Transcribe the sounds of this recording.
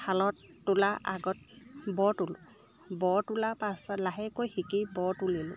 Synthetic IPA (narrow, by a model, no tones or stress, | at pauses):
pʰalɔtːulaʔa̰ɡɔt̚bɔtulʊ̰ | bɔtulapasɔlaɦɛkojxikibɔtulilʊ̰